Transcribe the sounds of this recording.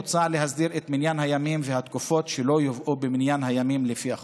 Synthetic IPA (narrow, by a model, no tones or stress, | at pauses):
t͡sale̞ɦazdiʁet̪minjanhajamimvehat̪kufo̞tʃelo̞jovʔubeminjanhajamimlefia